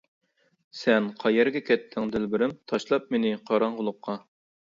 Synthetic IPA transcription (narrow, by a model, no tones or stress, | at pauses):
sɛnqʰɑjɛɾɡʲɛkʲʰɛt̪ʰːɪŋd̪ɪlbɪɾɪmt̪ʰɑʃlˠɑp̚menɪqʰɑɾɑɴʁʊlˠʊqʰːɑ